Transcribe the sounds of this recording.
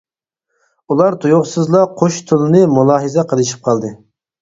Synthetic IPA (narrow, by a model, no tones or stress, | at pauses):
ulˠɑɾt̪ʰujoʁsɨzlˠɑqʰoʃt̪ʰʊlˠɨnɨmulˠɑːɦɨzɛqʰəlˠɨʃ̬i̥p̚qʰɑlˠd̪ɨ